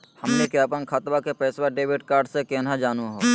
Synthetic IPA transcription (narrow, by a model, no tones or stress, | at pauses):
həmnekeəpənkʰat̪ʋakepɛːswaɖeːʋɪʈkaːɾɖsekeːnad͡ʒaːnuɦoː